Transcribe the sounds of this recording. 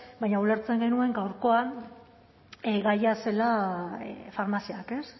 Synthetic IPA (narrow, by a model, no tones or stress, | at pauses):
bajɲaule̞ɾt͡se̞ŋɡe̞nue̞ŋɡawɾko̞a | eɡajase̞la | faɾmasiake̞s